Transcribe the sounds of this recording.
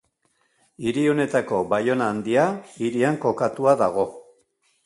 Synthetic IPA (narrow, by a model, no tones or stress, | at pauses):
iɾio̞ne̞t̪ako̞bajo̞naːnd̪iaiɾiaŋko̞kat̪uaðaɣ̞o̞